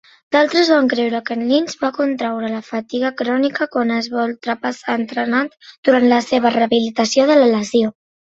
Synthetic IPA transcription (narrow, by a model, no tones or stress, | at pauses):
d̪alˠt̪ɾəzβaŋkɾɛwɾəkənlinzbakunt̪ɾawɾələfət̪iɣəkɾɔnikəkwanəzβɔlˠt̪ɾəpasaənt̪ɾənat̪d̪̥uɾant̪ləseβ̞ərəβilit̪əsioðələləzio